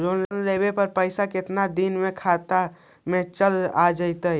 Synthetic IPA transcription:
ɾonlənɾebepəɾpəɪsakɪt̪nad̪inmekʰat̪a | mẽt͡ʃəlad͡ʒəɪt̪əj

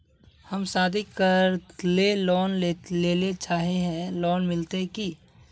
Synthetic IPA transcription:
həmsaːd̪ʱikəɾlelɔːneleːlet͡ʃaːɦeɦɛ̃lɔːnmɪlt̪eki

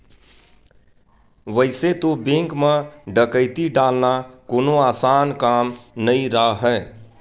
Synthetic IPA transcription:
ʋəɪset̪obẽŋkmeɖəkəɪt̪iɖalnakoːnoaːsankamnəĩɾəɦɛ

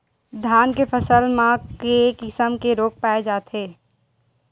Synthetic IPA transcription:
d̪ʱaːnkefʰəsəlmãkekɪsəmkeɾoːk̚paːed͡ʒaːt̪ɦeː

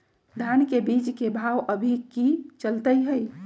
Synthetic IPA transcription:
d̪ʱankebid͡ʒkebʱawʔəbʱikit͡ʃəlt̪əjɦəj

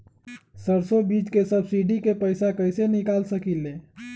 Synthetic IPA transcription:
səɾsobiːt͡ʃkesəbsiɖikepəɪsakəɪsenɪkaːlsəkilːe

